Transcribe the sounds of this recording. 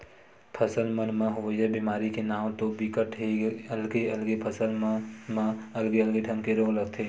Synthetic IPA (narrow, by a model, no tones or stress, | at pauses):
pʰəsəlmənmãɦʊʋəd͡ʒəbiːmaːɾikenaːw̃t̪obɪkəʈɦeəlɡeəlɡepʰəsəlmãəlɡeəlɡeɖʰʱəmkeɾoːɡləɡt̪ʰeː